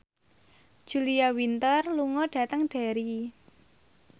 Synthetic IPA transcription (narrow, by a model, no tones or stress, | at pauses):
ʒ̥uliawint̪ərluŋɔɖ̥a̤t̪əŋɖ̥a̤ɾi